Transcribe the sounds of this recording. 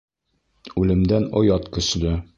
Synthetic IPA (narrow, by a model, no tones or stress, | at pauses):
ʉlɘ̆md̪ænojɑt̪kɵ̆slɘ